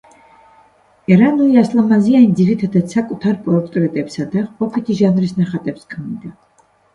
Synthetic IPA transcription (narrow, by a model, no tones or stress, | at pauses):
ɛɾanuiaslˠamazianid̪ziɾit̪ʰad̪at̪sakʼut̪ʰaɾpʼɔɾt̪ʼɾɛt̪ʼɛpsad̪aʁqʼɔpʰit̪ʰiʒanɾisnaχat̪ʼɛpskʰmid̪a